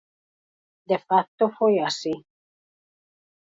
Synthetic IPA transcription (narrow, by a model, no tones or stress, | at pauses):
d̪efak̚t̪ofojasi